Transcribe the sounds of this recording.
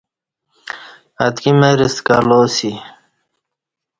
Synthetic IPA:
ɐt̪kimeɾiskaloːsi

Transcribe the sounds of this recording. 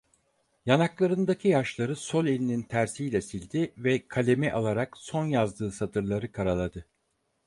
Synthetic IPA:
janaklˠaɾɯnd̪acʰijaʃlˠaɾɯso̞lʲe̞lʲinint̪ʰæɾsijlʲɛsilʲd̪ivɛkʰalʲe̞mɛʔalˠaɾakso̞njazd̪ɯːsat̪ʰɯɾlˠaɾɯkʰaɾalˠad̪ɯ

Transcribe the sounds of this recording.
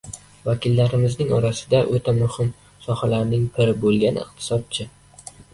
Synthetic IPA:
vakʲɪlːaɾɪmɪznɪŋɒɾasɪ̥d̪aʔot̪ʰamʊhɪm | sɒhalaɾnɪŋpʰɪɾɪbolˠɡʲanɪ̰qt̪ʰɪ̥sɒt̪̚t͡ʃʰɪ

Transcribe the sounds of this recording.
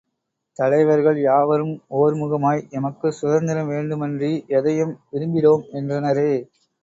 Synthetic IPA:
t̪ɐlɐɪʋɐɾɣɐɭjaːʋɐɾɯmoːɾmʊɣɐmaːjɛmɐkːɯsʊðɐnd̪ɐɾɐmʋeːɳɖɯmɛndriʔɛðɐjɯmʋɪɾɯmbɪɾoːmɛndrɐnɐɾeː

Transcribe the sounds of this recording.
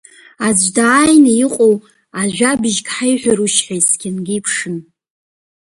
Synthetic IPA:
azʷdaːjnaiqʼow | aʒᶣʷabɪʒkʲħajħʷᶣaɾuʃħasɡʲɪnɡʲiːpʰʂɨn

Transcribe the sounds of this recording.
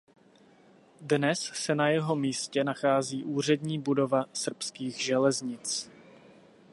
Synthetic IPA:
dnɛssɛnajɛɦo̞miːscɛnaxaːziːʔuːr̝ɛdɲiːbudo̞vasr̩pskiːɣʒɛlɛzɲɪt͡s

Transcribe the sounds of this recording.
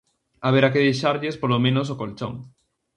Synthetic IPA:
aβ̞eɾakeðejʃaɾʎespolomẽnos̬okolt͡ʃo̰ŋ

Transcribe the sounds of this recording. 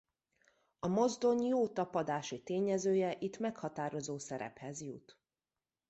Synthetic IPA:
ɒmo̞zd̪o̞ɲjoːt̪ɒpɒd̪aːʃit̪eːɲɛzøːjɛʔit̪mɛkhɒt̪aːɾo̞zoːsɛɾɛ̰phɛzjṵt̪

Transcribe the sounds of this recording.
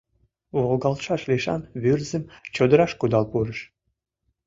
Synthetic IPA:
βolɡɑlʃɑʃliʃɑ̰nβyrzə̆mt͡ɕod̪əɾɑʃkud̪ɑlpuɾəʃ

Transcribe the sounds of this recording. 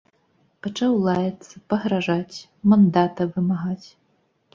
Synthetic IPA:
pɐt͡ʂawlˠajɛt̪sːɐpɐɣɾaʐat͡sʲ | mɐnd̪at̪ɐvɨmaɣat͡sʲ

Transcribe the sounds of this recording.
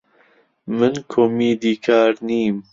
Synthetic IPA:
mɨnkʰomiːd̪iːkʰaːɾniːm

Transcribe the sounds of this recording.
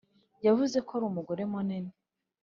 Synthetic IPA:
javuze̞koaɾuːmuɡo̞ɾemonene

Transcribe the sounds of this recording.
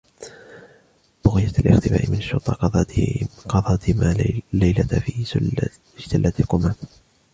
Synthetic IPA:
b̥ʊɣɪjat̪alʔɪ̰xt̪ɪba̰ːʔɪmɪnʃʊɾt̪ˤɑqɑ | qɑd̪ˤɑːt̪maːlajlat̪iː | ɪʃt̪alːat̪lqʊmaːm

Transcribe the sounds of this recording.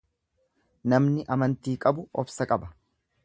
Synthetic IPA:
nɐmnɪʔɐmɐnt̪iːkʼɐbʊɔbsɐkʼɐbɐ

